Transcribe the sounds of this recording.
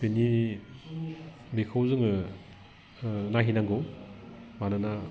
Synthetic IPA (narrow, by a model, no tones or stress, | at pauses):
peni | mekʰawzɯŋɯ | naɦinaŋɡɯw | manɯna